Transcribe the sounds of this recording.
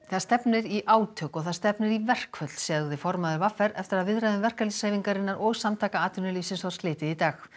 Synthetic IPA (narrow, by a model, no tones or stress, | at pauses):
θað̥st̪ɛpnɪɾiʔaːwt̪ʰœkɔɣθað̥st̪ɛpnɪɾivɛr̥kʰvœt̪lsɛɣðɪfɔɾmaðʏɾvafɛɾɛft̪ɪɾaðvɪðɾajðʏmvɛr̥kalisaːjviŋkaɾɪnːaɾɔɣsamt̪ʰaːkaaːt̪ʏnɪlisɪnsvḁsklɪːt̪ɪðit̪aːx